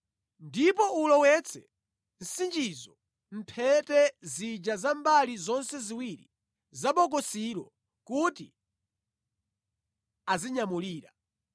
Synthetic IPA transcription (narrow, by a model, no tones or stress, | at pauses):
ndip̬ɔulɔwɛt͡sʰɛ | n̩sind͡ʒizɔ | m̩pʰɛtɛzid͡ʒazambalizɔnsɛziwiɾḭ | zaɓɔk̬ɔsiɾɔ̰ | kuti | aziɲamuliːɾa